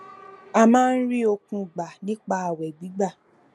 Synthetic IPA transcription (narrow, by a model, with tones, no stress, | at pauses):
a˧mãː˦n̩˦ɾi˦o˧kũ˧˨ɡ͡ba˨nĩ˨˦k͡pa˦a˨wɛ˨ɡ͡bi˨˦ɡ͡ba˦˨